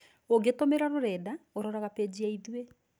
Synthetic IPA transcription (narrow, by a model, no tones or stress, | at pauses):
oɡetomeɾaɾoɾɛdaoɾɔɾaɣaped͡ʑiaiðue